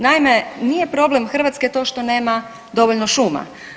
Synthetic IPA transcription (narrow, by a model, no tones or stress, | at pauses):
naimenijepɾo̞ble̞mxr̩ʋat̪sket̪o̞ːʃt̪o̞ne̞ːma | d̪o̞ʋoʎnoʃuːma̰